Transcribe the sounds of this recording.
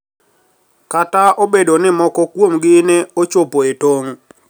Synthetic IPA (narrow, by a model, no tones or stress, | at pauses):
kataobedonɪmɔkɔkwomɡɪneot͡ʃopoetoŋ